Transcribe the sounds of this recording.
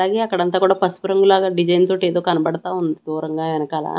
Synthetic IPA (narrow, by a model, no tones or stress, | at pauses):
aːɡeːɐkːɐɽɐnt̪aːkuːɽaːpɐspuɾɐŋɡulaːɡɐɖid͡ʒɐjnt̪oːʈːeːd̪oːkɐnɐbɐɽt̪aːund̪id̪uːɾɐŋɡaːʋɛnɐkaːla̰ː